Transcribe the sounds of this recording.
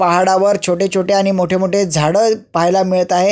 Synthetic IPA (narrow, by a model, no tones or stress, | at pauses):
paɦaɽaʋəɾt͡ɕʰoʈet͡ɕʰoʈeaɽ̃imoʈʰemoʈʰed͡zʱaɽəːpaɦjlamiɭət̪aɦe